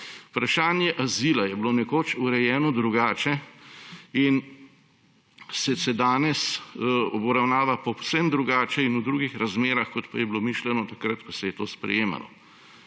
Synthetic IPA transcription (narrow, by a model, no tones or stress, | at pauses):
upɾaʃaːnjɛʔaziːlajɛbloːnɛkoːt͡ʃuɾɛjɛːnɔd̪ɾuɡaːt͡ʃɛ | in | sɛsɛd̪aːnɛsɔbɔɾawnaːʋapɔsɛmd̪ɾuɡaːt͡ʃɛinud̪ɾuːɡixɾazmeːɾaxkɔt̪pa̰jɛblomiːʃlɛnɔt̪akɾət̪pasɛjɛt̪oːspɾɛ̰jeːma̰lɔ̰